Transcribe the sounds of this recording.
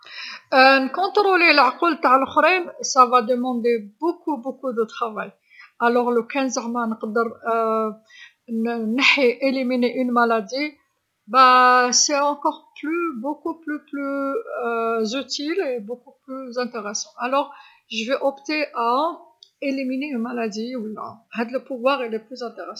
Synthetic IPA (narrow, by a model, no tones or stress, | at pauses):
nkɔ̃t̪ɾolilʕqult̪aʕəlxɾimsavad̪əmɑ̃d̪ebokubokud̪ət̪χɑvaj | ʔælɔʁləkænzəʁmanəqd̪əɾ | nəħiʔelimineʔynmalad̪i | bæsɛɑ̃kɔʁplybokuplyply | zyt̪ilebokuplyzɛ̃t̪eʁesɑ̃ʔalɔʁ | ʒəvɛʔɔpt̪eʔa | elimineynmalad̪iwəlːa̰hæd̪ləpuvwaʁilɛplyzɛ̃t̪eʁesɑ̃